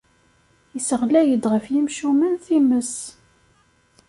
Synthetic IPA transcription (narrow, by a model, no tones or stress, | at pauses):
əsəʁlæjəd̪ʁəfjimʃumənθiməs